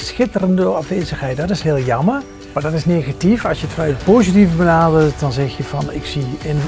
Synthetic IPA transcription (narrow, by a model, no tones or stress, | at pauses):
sxɪtərəndəɑfʋeːzəxɦɛjt̚dɑtɪsɦɪːlˠjɑmər | maːdɑtɪsneːɣatifɑlˠsjətfnɛɥləpoːzitivəbənaːdəlt̚dɑnzɛxjəv̥ɑnɪksiən